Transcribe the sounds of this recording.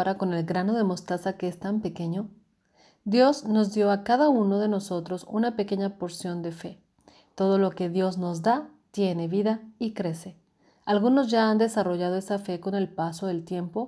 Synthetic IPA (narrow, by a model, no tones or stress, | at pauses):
ɾako̞ne̞lɡɾano̞ðe̞mo̞st̪asakeest̪ampe̞ke̞ɲo̞ | d̪jo̞zno̞zd̪jo̞akaðauno̞ðe̞no̞so̞t̪ɾo̞sṵnape̞ke̞ɲapo̞ɾsjo̞nd̪e̞fe̞ | t̪o̞ð̞o̞lo̞ke̞ðjo̞zno̞zd̪at̪je̞ne̞βiðaikɾe̞se̞ | alɣuno̞zʝaːnd̪e̞saro̞ʝað̞o̞e̞safe̞ko̞ne̞lpaso̞ðe̞lt̪je̞mpo̞